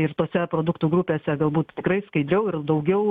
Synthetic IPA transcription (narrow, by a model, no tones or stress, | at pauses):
ɪrt̪oːsʲɛpɾoːd̪ʊkt̪uːɡɾupʲeːsʲɛɡɐlˠbuːt̪t̪ʲɪkɾɐɪskɐɪd̪ʲɾʲɛʊɪrd̪ɐʊɡʲɛʊ